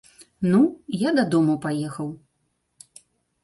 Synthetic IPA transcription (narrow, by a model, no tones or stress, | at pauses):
nujad̪ɐd̪ɔmupajɛxɐw